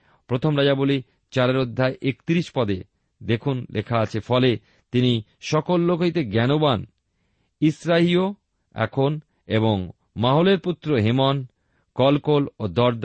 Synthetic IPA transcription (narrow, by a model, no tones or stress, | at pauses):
pɾot̪ʰomɾad͡ʑaboli | t͡ɕaɾeɾod̪ʱːaeʔekt̪iɾiʃpɔd̪e | d̪ekʰunlʔekʰaat͡ɕʰefɔle | t̪ini | ʃɔkolːokojt̪eɡɛnoban | isɾaɦio | ɛ̰kʰon | eβoŋ | maɦoleɾput̪ːɾoɦemɔn | kɔlkolod̪ɔɾd̪a